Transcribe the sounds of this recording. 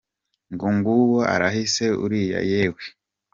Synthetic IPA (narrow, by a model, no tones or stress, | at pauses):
ŋɡoŋɡuwoʔa̰ɾaɦise̞ṵɾija̰jeːwe